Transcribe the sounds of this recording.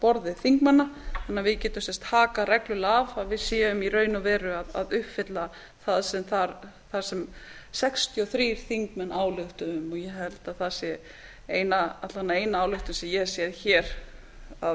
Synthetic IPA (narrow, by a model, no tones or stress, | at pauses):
pɔɾðɪθiŋkmanːaθanːavɪðcɛːt̪ʏmsɛst̪haːkaɾɛklʏlaavaðvɪðsjɛːʏmirœːɥnʏvɛːɾʏaðaðʏhpfɪt̪la | θaðsɛmθaɾ | θḁsɛm | sɛkst̪ʰjɔθɾiːɾ̥θiŋkmɛnʔaːwlʏht̪ʏʏmːɔjɛɦɛlt̪aðθasjɛ | eːjnaat̪lanːaeːjnaaːwlœht̪ʏnsɛmjɛ̥sjɛðçɛːɾ | að